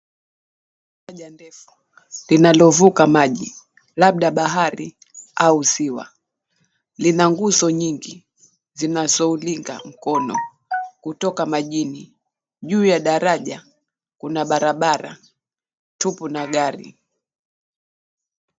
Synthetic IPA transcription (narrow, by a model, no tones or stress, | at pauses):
aʄandɛfu̥ | linalɔvukamaʄi | laɓ̚ɗaɓaɦaɾi | ausiwa̰ | linaŋɡuzɔɲiŋɡi | zinazɔuliŋɡa̰m̩kɔnɔ̰ | kutɔkamaʄini | ʄuːjaɗaɾaʄa | kunaɓaɾaɓaɾa̰ | tupunaɡaɾḭ